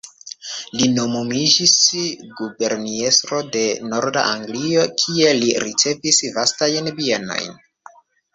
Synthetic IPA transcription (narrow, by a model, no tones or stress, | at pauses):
lino̞momid͡ʒisɡube̞ɾnie̞stɾo̞de̞no̞ɾda̰ʔaŋɡlio̞kʰie̞liɾit͡se̞visvastajnbieno̞̰jn